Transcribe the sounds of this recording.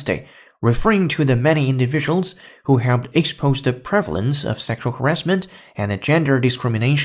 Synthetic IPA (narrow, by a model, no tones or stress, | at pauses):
sdḛɪ | ɹɨfɜ˞ɪ̃ŋtʰɨðɨmɛñiɪ̃ndɨvɪd͡ʒəwl̩ˠz̥ | huɦɛlˠp̚tɨkspʰoʊzðɨpʰɹ̥ɛvl̩ˠə̰̃nsʌ̰v̥sɛkʃl̩ˠhə˞ɛsmɨ̃nt | ɨ̃nɨd͡ʒɛ̃ndə˞dɨskɹɪ̃mɨneɪʃ